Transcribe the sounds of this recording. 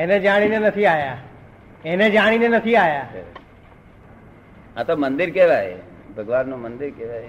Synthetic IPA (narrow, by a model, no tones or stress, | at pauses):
ened͡ʒaːɽ̃inenɐt̪ʰiaːɦjaː | eːned͡ʒaːɽ̃inenət̪ʰiaːɦjaː | at̪oːmə̃nd̪ɪɾkeːʋaːɦḛ | bʱəɡʋaːnːõːmənd̪ɪɾkeʋaːɦe